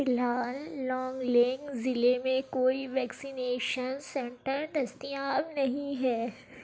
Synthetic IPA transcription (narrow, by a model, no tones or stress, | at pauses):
fɪlɦaːlːɔ̃ːŋɡleŋɡzɪlemẽkoːiʋɛːksɪneːʃənsɛ̃ɳʈəɾd̪ɐst̪ijaːbnɐɦĩɦɛː